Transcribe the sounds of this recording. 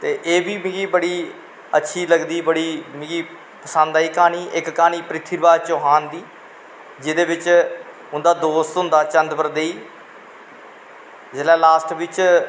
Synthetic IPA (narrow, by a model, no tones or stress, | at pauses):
t̪eːʔeːbiːmɪ̃ɡiːbəɽiː | ətːʃʰiːləɡd̪iːbəɽiːmɪ̃ɡiː | pəsənd̪aːiːkaːniːʔɪkːaːniːpɾɪt̪ʰːiɾbaːt͡ʃoːɦaːnd̪iː | d͡ʒɪd̪eːbɪt͡ʃ | ʊnd̪aːd̪oːst̪ɦʊ̃nd̪aːt͡ʃə̃nd̪pəɾd̪eiː | d͡ʒɪlɛːlaːsʈbɪt͡ʃ